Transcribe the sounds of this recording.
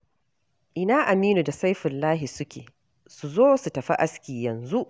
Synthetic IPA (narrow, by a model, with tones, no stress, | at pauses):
ʔɪ˨naː˦ʔa˨miː˦nu˨da˨sa˦jɸɪ˨lːaː˦ɦi˨sʊ˦kʲḛː˨ | su˨zoː˦su˨tɐ˨ɸa̰˦ʔa˦skʲiː˨jɐ˨nzu˦ʔ